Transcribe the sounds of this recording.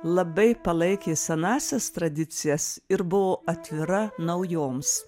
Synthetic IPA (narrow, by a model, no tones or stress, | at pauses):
lˠɐbɐɪpɐlˠɐɪkʲeːsʲɛnɑːsʲɛst̪ɾɐd̪ʲɪt̪sʲɪjɛsɪɾbʊʋoːɐt̪ʲʋʲɪɾɐnɐʊjoːms